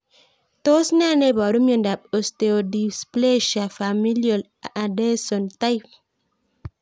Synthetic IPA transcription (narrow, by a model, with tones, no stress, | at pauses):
to˦sna˦˨ne˦˨bɔ˨do˦mjo˨n˦da˨p̚o˨ste˨o˨di˨sple˦ʃa˨fa˨mi˦lio˨l | a˨a˨de˦so˨nta˦jp̚